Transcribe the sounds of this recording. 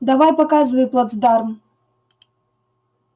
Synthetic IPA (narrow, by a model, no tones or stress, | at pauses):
d̪avajpakazvɐjplˠad̪zd̪arm